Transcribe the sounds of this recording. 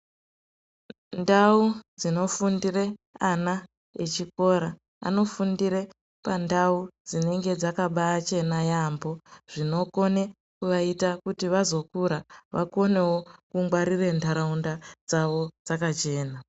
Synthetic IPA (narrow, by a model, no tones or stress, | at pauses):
ndaud͡zino̞fundireana | et͡ʃiko̞ɾa | a̰no̞fundiɾe̞ | pandaud͡zine̞ŋɡe̞d͡zakaɓaːt͡ʃe̞najambo̞ʐ̥ino̞ko̞ne | kuʋaitakutiʋazo̞kuɾaʋako̞ne̞wokuŋɡwaɾire̞ntaɾaundad͡zaʋo̞d͡zakat͡ʃe̞ːna